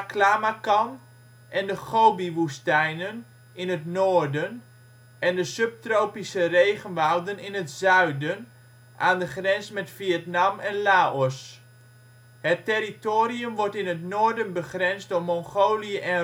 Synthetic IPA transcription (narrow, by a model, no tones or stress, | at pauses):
klaːmakɑn | ʔɛndəχoːbiʋustɛjnən | ɪnətnoːrdən | ʔɛndəsøp̚trowpisəreːχənʋawdənɪnətzœɥdən | ʔaːndəχrɛnsmɛtfiətnamɛnlaːɔs | hətɛritoːɾiəmʋɔɹtɪnətnoːrdənbəχrɛnsddomɔŋχoːliəʔɛn